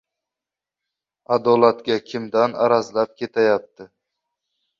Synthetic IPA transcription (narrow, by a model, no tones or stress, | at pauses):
ɑd̪olˠat̪ɡʲakʲʰɪmd̪anɑɾɑzlap̚kʲʰet̪ʰajɑp̚t̪ɪ